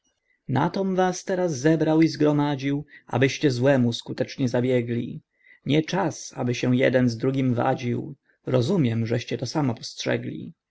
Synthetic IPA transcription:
na̰t̪ɔmvast̪ɛɾazːɛbɾawizɡɾɔmad͡ʑiwʔa̰bɘɕt͡ɕɛzwɛmuskut̪ɛt͡ʂɲɛzabʲjɛɡlʲḭ | ɲɛt͡ʂasa̰bɘɕɛw̃jɛ̰d̪ɛnzd̪ɾuɡʲimva̰d͡ʑiw | ɾɔzumʲjɛmʐɛɕt͡ɕɛt̪ɔsamɔpɔ̥stʂɛ̰ɡlʲḭ

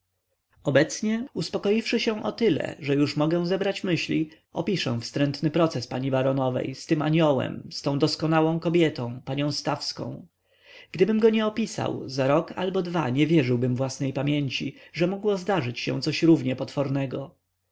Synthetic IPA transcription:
ɔbɛt̪sɲɛuspɔkɔjifʂɘɕɛ̃w̃ʔɔt̪ɘlɛ̰ʐɛjuʂmɔɡɛ̃w̃zɛbɾat͡ɕmɘɕlʲḭ | ɔ̰pʲiʂɛ̰̃w̃fst̪ɾɛnt̪nɘpɾɔt̪sɛspaɲibaɾɔnɔvɛ̰jst̪ɘmaɲɔwɛ̰mst̪ɔ̃w̃d̪ɔskɔnawɔ̃w̃kɔbʲjɛt̪ɔ̃w̃paɲɔ̃w̃st̪afskɔ̰̃w̃ | ɡ̥d̪ɘbɘmɡɔɲɛɔpʲisa̰wzaɾɔka̰lbɔd̪va̰ɲɛvʲjɛʐɘwbɘmvwasnɛjpamʲjeɲt͡ɕiʐɛmɔɡwɔzd̪aʐɘt͡ɕɕɛ̰̃w̃t̪sɔɕɾuvɲɛpɔt̪fɔɾnɛɡɔ

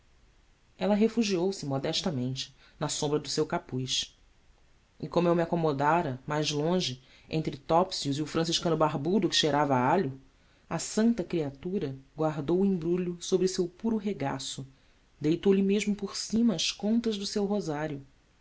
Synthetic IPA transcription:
ɛlɐɦefuʒiowsɪmɔd̪ɛʃt̪ɐmẽnt͡ʃɪ̥ | nɐsõmbɾɐd̪ʊsewkapujʃ | ɪkõmʊewmiakomod̪aɾɐmajzlõʒɪ | ḛ̃nt̪ɾɪt̪ɔpsiuziʊfɾɐ̃s̬iʃkɐ̃nʊbaɦbud̪ʊkɪ̥ʃeɾavɐaʎʊ | ɐsɐ̃nt̪ɐkɾiat̪uɾɐɡwaɦd̪owuĩbɾuʎʊsobɾɪsewpuɾʊɦeɡa̰sʊ | d̪ejt̪owlɪmeʒmʊpoɾsĩmɐːʃkõnt̪ɐʒd̪ʊsewɦozaɾjʊ

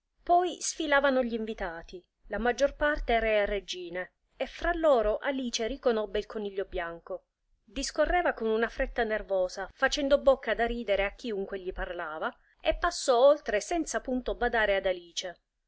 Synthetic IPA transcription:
pɔjsfilaːvanoʎiːɱvit̪aːt̪i | lamad͡ʒːorpart̪eɛːɾaarːed͡ʒiːne | efɾalːɔːɾoʔaliːt͡ʃeɾikonɔbːeilkoniʎːobjaŋko | d̪iskorːɛːvakonunafɾet̪ːanervɔːzafat͡ʃɛnd̪obokːad̪aɾiːd̪eɾeakːiuŋkweʎiparlaːva | epːasːɔolt̪ɾesɛnt̪sapunt̪obad̪aːɾead̪aliːt͡ʃe

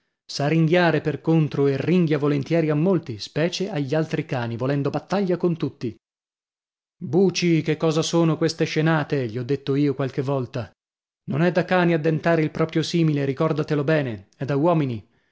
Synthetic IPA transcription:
sariŋɡjaːɾeperkont̪ɾoerːiŋɡjavolent̪jɛːɾiamːolt̪ispɛːt͡ʃeʔaʎːialt̪ɾikaːnivolɛnd̪obat̪ːaʎːakont̪ut̪ːi | buːt͡ʃikekːɔːzasoːnokwest̪eʃenaːt̪eʎiɔd̪ːet̪ːoiːokwalk̟evːɔlt̪a | nonɛd̪akːaːniad̪ːent̪aːɾeilpɾɔːpɾjosiːmileɾikɔrd̪at̪elobɛːneɛd̪ːawɔːmini

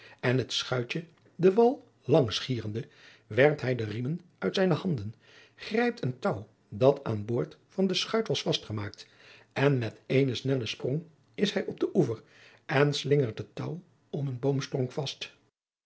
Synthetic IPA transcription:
ɛnɦətsχœɥt͡ʃə | dəʋɑlˠ | lɑŋsχiːrəndə | ʋɛrp̚tɦɛjdərimənœɥtsɛjnəɦɑndən | χrɛjp̚təntʌw | dɑtʰa̰ːnboːɹtfɑndəsχœɥtʋɑsfɑstχəmaːk̚t | ɛnmɛtejnəsnɛləsprɔŋ | ɪshɛjɔb̚dəʔuvəɹ | ʔɛnslɪŋəɹt̚ətʌw | ɔmənbowmstrɔŋkfɑst

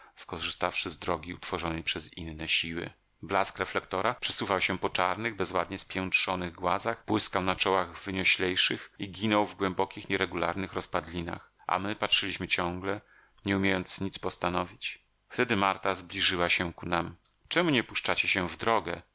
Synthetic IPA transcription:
skɔʐɨst̪afʂɘzd̪ɾɔɡʲiut̪fɔʐɔnɛjpʂɛzinːɛɕiwɘ̰ | blaskɾɛflɛkt̪ɔɾapʂɛ̥suvawɕɛpɔt͡ʂaɾnɘɣbɛzwa̰d̪ɲɛspʲjɛntʂɔnɘɣɡwazaxpwɘskawnat͡ʂɔwaɣvvɘɲɔɕlʲɛjʂɘxiɡʲinɔwvɡwɛmbɔkʲixɲɛɾɛɡulaɾnɘxɾɔspad̪lʲina̰x | ʔa̰mɘpatʂɘlʲiɕmɘt͡ɕɔ̃ŋɡlɛ | ɲɛumʲjejɔnt̪sɲit̪spɔst̪anɔvʲit͡ɕ | ft̪ɛd̪ɘmaɾt̪azblʲiʐɘwaɕɛkunam | t͡ʂɛmuɲɛpuʂt͡ʂat͡ɕɛɕɛvd̪ɾɔɡɛ

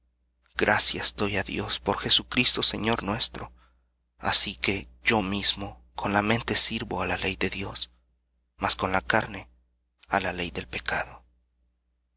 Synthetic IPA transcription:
ɡ̥ɾʔasjasd̪o̞jaðjo̞spo̞ɾxe̞sukɾist̪o̞se̞̰ɲo̞ɾnwe̞st̪ɾo̞̰ | a̰sike̞ɟ͡ʝo̞mizmo̞ | kʰo̞nlamẽ̞nt̪e̞siɾβo̞alale̞jðe̞ðjo̞s | masko̞nlakaɾne̞ | alale̞jðe̞lpe̞kaðo̞

